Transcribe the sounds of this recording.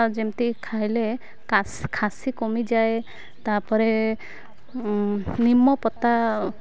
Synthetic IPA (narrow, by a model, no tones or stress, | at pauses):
d͡ʒemt̪ikʰajle | askʰasikomid͡ʒaj | t̪apɔɾe | nimːɔpɔt̪a